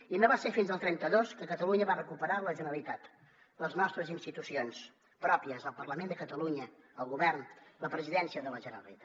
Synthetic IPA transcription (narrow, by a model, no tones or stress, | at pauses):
inoβasefinzəlˠt̪ɾɛnt̪əðoskəkət̪əluɲəβarəkupəɾaləʒənəlit̪at̪ | ləznɔst̪ɾəzinst̪it̪usions | pɾɔpiəzəlˠpərləmend̪əkət̪əluɲə | əlˠɣuβɛrnləpɾəziðɛnsiəðələʒənə̰lit̪a